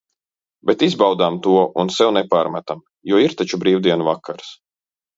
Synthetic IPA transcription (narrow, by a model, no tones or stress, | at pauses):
bɛt̪izbawd̪amt̪uɔʔunsɛwnɛpaːɾmat̪am | juɔiɾt̪at͡ʃubɾiːwd̪iɛnuvakʰːaɾs